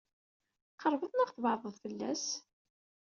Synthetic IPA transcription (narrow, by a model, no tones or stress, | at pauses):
qəɾˤvəðˤnæʁθvɑɾˤðˤəðˤfəlːæ̰s